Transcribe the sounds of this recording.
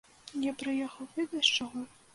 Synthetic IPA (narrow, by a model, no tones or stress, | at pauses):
japɾɨjɛxɐwvɨd̪ɐst͡ʂɔɣɔ